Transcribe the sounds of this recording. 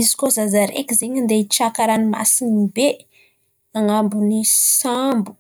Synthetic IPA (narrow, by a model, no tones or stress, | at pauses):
izi̥kozazaɾḛkizeɲind̪eit͡ʃakaɾanima̰sinibe | aŋambunisambu̥